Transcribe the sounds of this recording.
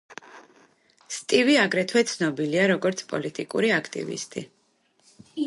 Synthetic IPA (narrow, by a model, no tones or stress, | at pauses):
st̪ʼiviaɡɾɛt̪ʰwɛt̪sʰnɔbiliaɾɔɡɔɾt̪sʰpʼɔ̰lit̪ʼikʼṵɾiakʰt̪ʼḭvḭst̪ʼi